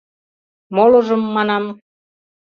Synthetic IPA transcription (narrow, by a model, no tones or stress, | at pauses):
molɤ̆ʒɤ̆mːɑnɑm